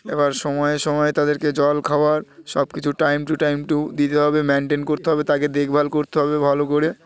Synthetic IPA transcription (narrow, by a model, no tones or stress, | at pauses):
ebaɾʃɔmɔeʃɔmɔet̪ad̪eɾked͡ʑɔlkʰaoaɾʃɔb̚kit͡ɕʰuʈajmʈuʈajmʈud̪it̪eɦɔbemeɳʈenkoɾt̪eɦɔbet̪aked̪ekʰbʱalkoɾt̪eɦɔbebʱalokoɾe